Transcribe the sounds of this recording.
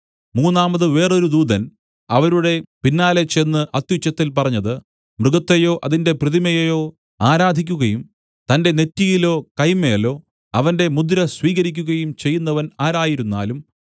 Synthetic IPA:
muːnːaːmɐðɨʋe̞ːroɾud̪uːd̪ɐn | ɐʋɐɾuɽe̞pinːaːle̞t͡ɕe̞nːɨʔɐt̪jut͡ɕːɐt̪ːilpɐrɐɲːɐðɨ | mrɨɡɐt̪ːejo̞ːʔɐðinde̞prɨðimɐjejo̞ː | aːɾaːd̪ʱikʲːuɣɐjum | t̪ɐnde̞ne̞tːiɣilo̞ːkɐjmɐjɐlːo̞ː | ɐʋɐnde̞mud̪ɾɐsʋiːɣɐɾikʲːuɣɐjumt͡ɕe̞jːunːɐʋɐnaːɾaːjiɾunːa̰ːlum

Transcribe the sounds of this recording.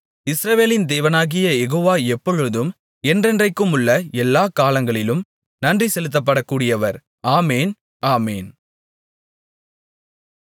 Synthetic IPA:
ɪsɾɐʋeːlɪnd̪eːʋɐnaːɣɪjɐjɛɣoːʋaːɛpːɔɻɯðɯm | ɛndrɛndrɐɪkːɯmʊɭːɐɛlːaːkaːlɐŋɡɐɭɪlɯm | nɐndrisɛlɯt̪̬ːɐpːɐɽɐkːuːɽɪjɐʋɐɾ | aːmeːn | aːmḛːn

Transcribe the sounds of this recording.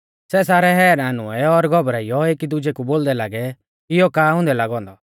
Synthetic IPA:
sɛs̬aːɾɛɦɛːɾaːnʊɛɔɾɡʱɔbɾaijɔeːkid̪ʊd͡ʒɛkuboːld̪ɛlaːɡɛ | ɪjɔkaːʊ̃nd̪ɛlaːɡɔ̃ːnd̪ɔ

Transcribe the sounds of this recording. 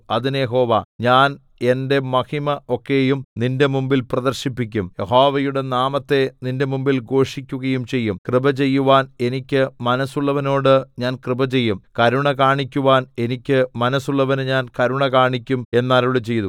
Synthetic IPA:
ɐðinjeɦo̞ːʋɐ̰ɲaːn | e̞nde̞mɐhimɐo̞kːe̞jumninde̞mumbilprɐd̪ɐrɕipːik̬ʲːumjeɦoːʋɐjuɽe̞naːmɐt̪ːe̞ninde̞mumbilɡo̞ːʂikʲːuɣɐjumt͡ɕe̞jːumkrɨbɐt͡ɕe̞jːuʋaːne̞nikʲːɨmɐnɐsːuɭːɐʋɐno̞ːɽɨɲaːnkrɨbɐt͡ɕe̞jːumkɐɾuɳɐkaːɳikʲːuʋaːne̞nikʲːɨmɐnɐsːuɭːɐʋɐnɨɲaːnkɐɾuɳɐkaːɳikʲːume̞nːaːɾuɭɨt͡ɕe̞jt̪u

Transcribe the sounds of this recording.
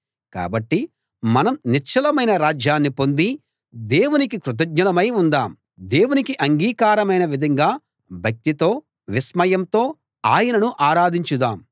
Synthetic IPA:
ka̰ːbɐʈːi | mɐnɐmniɾt͡ʃʰɐlɐmɐjnɐɾaːd͡ʒjaːnːipo̞nd̪i | d̪e̞ːwunikikɾut̪̬ɐɡ̚ɲɐlɐmɐjund̪aːm | d̪e̞ːwunikiʔɐŋɡiːkaːɾɐmɐjnɐʋid̪ʱɐŋɡaː | bʱjɐk̚t̪it̪o̞ː | ʋismɐjɐmt̪o̞ː | aːjɐnɐnuʔaːɾaːd̪ʱiɲt͡ʃud̪aːm

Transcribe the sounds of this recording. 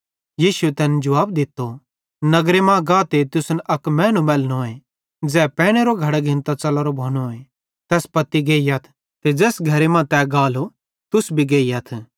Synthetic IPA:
jiːsuet̪ɛːnd͡ʒʊʋaːb̚d̪ɪt̪ːo | nɐɡɾemãɡaːt̪et̪ʊsnʔɐkmɛ̃ːnũmɛːlnoːe | d͡zɛːpɛ̃ːɽ̃eɾoɡʱɐɽaɡʱɪ̃nt̪at͡ʃɐləɾobʱoːñoːe | t̪ɛːspɐt̪ːiɡeːijɐt̪ʰ | t̪ed͡ʒɛːsɡʱɐɾemãt̪ɛːɡaːlo | t̪ʊsbʱiɡeːijɐt̪ʰ

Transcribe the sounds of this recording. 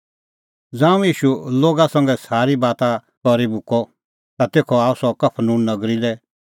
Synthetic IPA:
d͡zãːũjiːʃuloːɡasɐ̃ŋɡɛsaːɾibaːt̪a | kɔɾibʱʊkɔ | t̪at̪eːkʰɔaːusɔkɐpʰnũːnnɐɡɾilɛ

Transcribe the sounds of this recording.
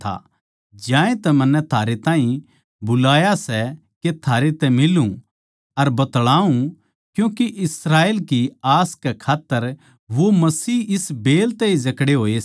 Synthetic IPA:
a̰ | d͡ʒjãːẽt̪ɛmɐ̃nːɛt̪ʰaːɾet̪ãːĩ | bʊlaːjasɛ | ket̪ʰaːɾet̪ɛmɪlũ | ɐɾbɐt̪ɭaːũ | kjũːkeʔɪsɾaːeːlkiaːskɛkʰaːt̪ːəɾ | ʋomɐsiːɪsbeːlt̪ɛid͡ʒɐkɽeɦoːe

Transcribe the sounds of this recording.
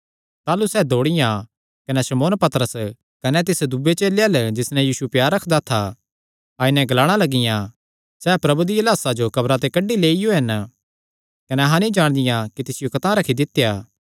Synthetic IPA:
t̪aːlusɛːd̪ʱoːɽɪjã | kɐnɛsɐmoːnpɐt̪ɾəs | kɐnɛt̪ɪsd̪ubːet͡ʃeːleɐld͡ʒɪsnɛ̃jiːsupjaːɾːɐkʰd̪at̪ʰa | aːɪnɛ̃ɡɐlaːɽ̃alɐɡɪjã | sɛːpɾɐbud̪iɐlaːsad͡ʒokɐbɾat̪̬ekɐɖːileːɪjoɦɐn | kɐnɛɐɦãnĩd͡ʒaːɽ̃d̪ɪjãkit̪ɪsɪjokɐt̪ãɾɐkʰid̪ɪt̪ːejaː

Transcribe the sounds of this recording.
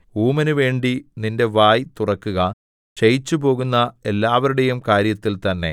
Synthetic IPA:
uːmɐnuʋe̞ːɳɖininde̞ʋaːjt̪urɐkːuɣɐ | t͡ɕejit͡ɕːupo̞ːɣunːɐe̞lːaːʋɐɾuɽe̞jumkaːɾjɐt̪ːilt̪ɐnːe̞̰

